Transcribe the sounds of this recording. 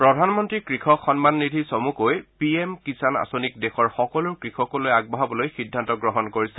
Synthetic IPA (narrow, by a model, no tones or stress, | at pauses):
pɹɔdʱanmɔntɹikɹixɔxɔnmanːidʱisɔmukojpiemkisana̰sonikdexɔɹxɔkɔlʊɹkɹixɔkɔlojaɡ̚bɔɦabɔlojxidʱːantɔɡɹɔɦɔnkoɹisɛ